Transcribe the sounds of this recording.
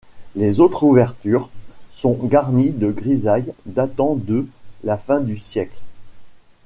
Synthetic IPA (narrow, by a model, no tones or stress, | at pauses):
lezot̪χuvɛʁt̪yʁsɔ̃ɡaʁnid̪əɡʁizajd̪at̪ɑ̃d̪əlafɛ̃d̪ysjɛkl